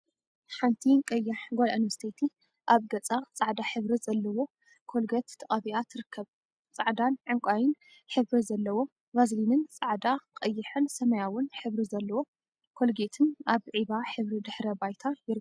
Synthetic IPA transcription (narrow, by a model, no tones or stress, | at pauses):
ħant̪ʰikʼɐjːaħɡola̰ʔinvɐɾsi̥t̪ʰet̪ʰi | ʔaβɡɐt͡sʼat͡sʼaʕd̪aħɨβɾizɐlːɐwo̞ | kʰo̞lɡɐt̪ʰːɐχʼɐβiat̪ʰɨɾɨkʰːɐβ | t͡sʼaʕd̪anʕɨŋkʷʼajɪn | ħɨβɾizɐlːɐwo̞ | bazlinɨnt͡sʼaʕd̪akʼɐjːɪħɨnsɐmɐjawʊnħɨβɾizɐlːɐwo | kʰo̞lɡet̪ʰɨnaβʕiβaħɨβɾid̪ɨħɾɐbajt̪ʰajɪɾɨ